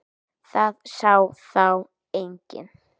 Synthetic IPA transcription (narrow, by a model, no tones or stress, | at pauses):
θaðsawθaw | ejɲcɪ̰n